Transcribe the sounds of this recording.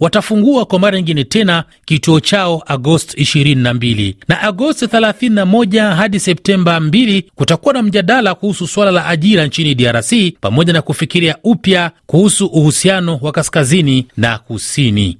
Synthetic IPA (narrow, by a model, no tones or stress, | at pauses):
watafuŋɡuakwamaɾaɲiŋɡinɛtɛna | kituɔt͡ʃaɔʔaɡɔstiʃiɾininambilḭnaʔaɡɔstiθɛlaθininamɔʄaɦaɗisɛp̚tɛmbambilikutakuwanam̩ʄaɗalakuhususwalalaʔaʄiɾant͡ʃiniɗiaɾasipamɔʄanakufikiɾiaupjakuhusuʔuhusianɔwakaskazinina̰kusinḭ